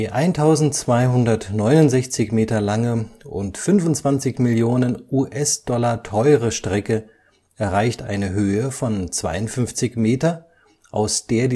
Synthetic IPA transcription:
d̥iːʔaɪntʰaʊzn̩tt͡sv̥aɪɦʊndɐtnɔʏnʊntzɛçt͡sɪçmeːtɐlaŋəʔʊ̰ntfʏnfʊntt͡sv̥ant͡sɪçmɪljoːnənʔuːʔɛsd̥ɔlɐtʰɔʏʁəʃtʁ̥ɛkə | ʔɛɐʁaɪçtʔa̰ɪnəɦøːəfɔnt͡sv̥a̰ɪʊntfʏnft͡sɪçmeːtɐ | ʔa̰ʊsd̥eːɐd

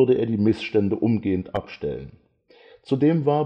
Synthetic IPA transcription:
ɐdəʔeːɐdiːmɪsʃtɛndəʔʊmɡeːəntʔa̰pʃtɛ̰lə̰n | t͡sudeːmvaːɐ

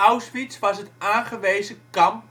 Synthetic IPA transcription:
awsfitsʋɑsətaːnχəʋejzəkkɑmp

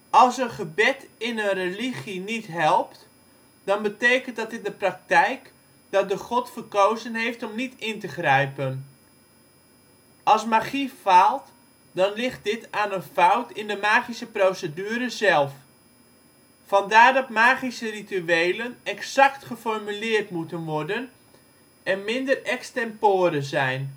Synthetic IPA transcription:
ɑlˠsənχəbɛtɪnənreliχinitɦɛlˠpt | d̥ɑnbətejkənt̚dɑtɪn̚dəprɑk̚tɛjk | d̥ɑt̚dəχɔtfərkowzənɦejftɔmnitɪntəχrɛjpən | ɑlˠsmaχifalˠt | dɑnlɪχt̚dɪtaːnənfawtɪndəmaːχisəprowsədyːɾəzɛlˠf | fɑndaːrdɑtmaːχisərityejlənɛksɑktχəfɔrmylɪːrtmutənʋɔrdən | ɛnmɪndərɛkstɛmpʊːɾəzɛjn

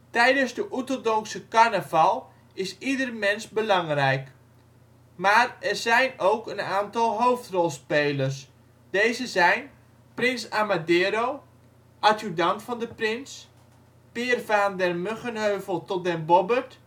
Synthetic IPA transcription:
tɛjdənzdəʔutodɔksəkarnəvalˠ | ɪsidərmɛnsbəlɑŋrɛjk | maːrɛrzɛjnowkənaːntɑlˠɦowftrɔlˠspeːlərs̬ | d̥ejzəzɛjn | prɪnsamadeːɾow | ʔatudɑntfɑndəprɪns | pɪːrvaːndɛrmøχənhøɥvəlˠtɔt̚dɛnbɔbərt

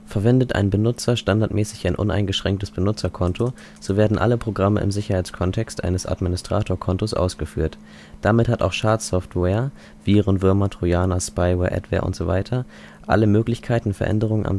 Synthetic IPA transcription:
fɛɐvɛndətʔa̰ɪnbənʊt͡sɐʃtandaɐtmɛːsɪçaɪnʔʊ̰na̰ɪnɡəʃʁ̥ɛŋk̚təsb̥ənʊt͡sɐkʰɔntʰo | z̥oːveːɐdn̩ʔa̰ləpʁ̥oɡʁamə̰ʔɪ̰mzɪçɐhaɪt͡skʰɔntʰɛkstʔa̰ɪnəsʔa̰dminɪstʁ̥aːtʰoːɐkʰɔntosʔa̰ʊsɡ̥əfy̰ːɐt | d̥amɪthata̰ʊxʃaːɐtsɔftwɛːɐ | v̥iːʁənvɪɐmatʁ̥ujaːnaspaɪwɛːɐʔɛ̰tv̥ɛ̰ːɐʔʊ̰ntz̥oːva̰ɪtʰɐ | ʔa̰ləmøːklɪçkʰaɪtn̩fɛɐʔɛ̰ndəʁ̞ʊŋəna̰m

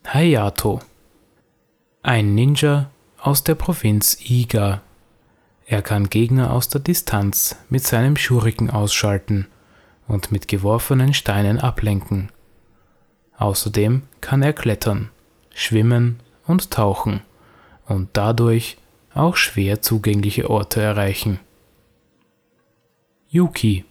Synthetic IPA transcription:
hajaːtʰo | ʔaɪnːɪnd͡ʒɐ | ʔaʊsd̥eːɐpʁ̥ovɪnt͡siːɡa | ʔeːɐkʰanɡeːɡnɐʔa̰ʊsd̥eːɐdɪstʰant͡smɪtz̥aɪnəmʃuːʁɪkŋ̩ʔaʊsʃaltn̩ | ʊntmɪtɡ̥əvɔɐfənənʃtaɪnənʔaplɛŋkŋ̩ | ʔaʊsɐdeːmkʰaneːɐkʰl̥ɛtʰɐn | ʃv̥ɪmən | ʊntʰːaʊxŋ̩ | ʊnt̚d̥adʊɐç | ʔa̰ʊxʃv̥eːɐt͡suːɡɛŋlɪçə̰ʔɔɐtʰəɛɐʁaɪçn̩ | juːkʰi

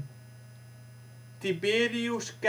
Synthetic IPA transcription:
t̪ibeɾiusk

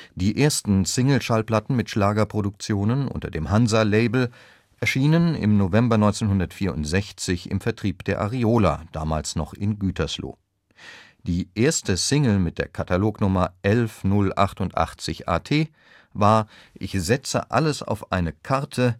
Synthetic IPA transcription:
d̥iːʔeːɐstn̩sɪŋl̩ʃalpl̥atn̩mɪtʃlaːɡɐpʁ̥odʊk̚t͡sjoːnənʔʊ̰ntɐ̰deːmhanzaleɪbl̩ | ʔɛɐʃiːnənɪ̰mnovɛmbɐnɔʏnt͡senhɦʊndɐtfiːɐʊntz̥ɛçt͡sɪçɪ̰mfɛɐtʁ̥iːpd̥eːɐʔaʁioːla̰d̥aːmaːlsnɔχɪnɡyːtʰɐslo̰ː | d̥iːʔeːɐstəsɪŋl̩mɪt̚d̥eːɐkʰataloːknʊmɐʔɛlfnʊlʔa̰χtʊntʔa̰χt͡sɪçʔa̰ːtʰeː | vaːɐʔɪçz̥ɛt͡sə̰ʔa̰ləsa̰ʊfʔaɪnəkʰaʁtʰə

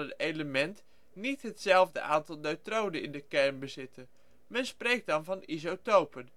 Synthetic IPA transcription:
ətejləmɛnt | nitɦətsɛlˠvdə̰ʔaːntɑlˠdøɥtrowdəɪ̰ndəkɛrnbəzɪtʰə | mɛnsprejk̚dɑnvɑnizotowpən

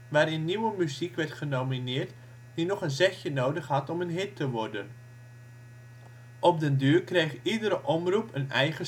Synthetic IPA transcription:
ʋaːɾɪnːiwəmyzikʋɛrtχənowminɪːrt | d̥inɔχənzɛxjənowdəχɦɑtɔmənɦɪtːəʋɔrdən | ʔɔp̚dəndyːrkrejχidəɾəʔɔmrupʰənɛjχə

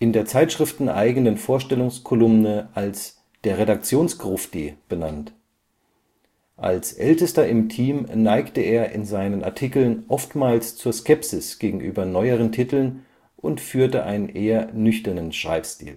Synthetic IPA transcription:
ʔɪndeːɐt͡saɪtʃʁ̥ɪftn̩ʔa̰ɪɡənənfoːɐʃtɛlʊŋskʰɔlʊmnəʔals | d̥eːɐʁedak̚t͡sjoːnsɡ̥ʁʊfd̥ib̥ənant | ʔa̰lsʔɛ̰ltəstɐɪmtʰiːmnaɪktəeːɐʔɪ̰nzaɪnəna̰ɐtʰikl̩nʔɔftmaːlst͡suːɐskɛpsɪsɡ̥eːɡŋ̩ʔy̰ːbɐnɔʏəʁ̞əntʰitl̩n | ʔʊntfyːɐtəʔa̰ɪnənʔeːɐnʏçtɐnənʃʁ̥a̰ɪpstḭːl

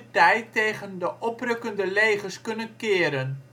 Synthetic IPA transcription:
tɛjtejχəndəʔɔprɵkəndəlejχəɹskɵnənkɪːɾən

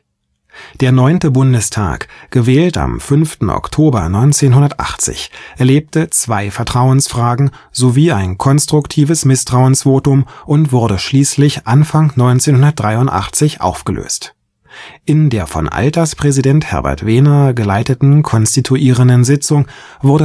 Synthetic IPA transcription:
d̥eːɐnɔʏntəbʊndəstʰa̰ːkɡ̥əvɛːlta̰mfʏnftn̩ʔɔ̰ktʰoːbɐ̰nɔʏnt͡seːnɦʊndɐtʔa̰χt͡sɪ̰çʔɛɐleːp̚tət͡sv̥aɪfɛɐtʁ̥aʊənsfʁ̥aːɡŋ̩ | z̥oviːaɪnkʰɔnstʁ̥ʊktʰiːvəsmɪstʁ̥aʊənsv̥oːtʊmʔʊntv̥ʊɐɾəʃliːslɪçʔanfaŋnɔʏnt͡seːnhɦʊndɐt̚d̥ʁaɪʊntʔa̰χt͡sɪçʔa̰ʊfɡ̥əlø̰ːst | ʔɪndeːɐfɔ̰nʔa̰ltɐspʁ̥ɛzidɛnthɛ̰ɐbɛ̰ɐtv̥eːnɐɡəlaɪtətn̩kʰɔnstitʰuʔiːʁ̞əndənzɪt͡sʊŋ | vʊɐdə

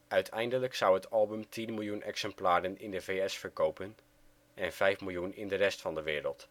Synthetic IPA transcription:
œɥtʰɛjndələksʌwətɑlˠbəmtʰinmɪlˠjunʔɛ̰ksɛmplaːɾənɪndəveɛsfəɹkowpən | ʔɛnv̥ɛjfmɪlˠjunɪndərɛstfɑndəʋɪːɾəlˠt

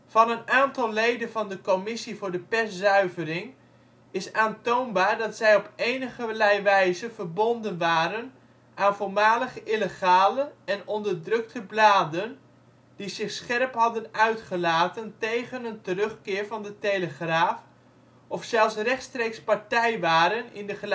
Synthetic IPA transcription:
vɑnənaːntɑlˠlejdənvɑndəkomɪsivʊːɹdəpɛszœɥvərɪŋ | ɪsaːntownbaːɹdɑtsɛjɔpejnəχəlɛjʋɛjzəvəɹbɔndənʋaːɾən | ʔaːnvolˠmaːləχəʔɪləχaːləɛnɔndəɹdrɵk̚tʰəblaːdən | d̥izɪχsχɛrpɦɑdənœɥtχəlaːtəntejχənəntərɵχkɪːɹvɑndəteləχraːf | ɔfsɛlˠsrɛχtstrejkspaɹtɛjʋaːɾənɪ̰ndəχə

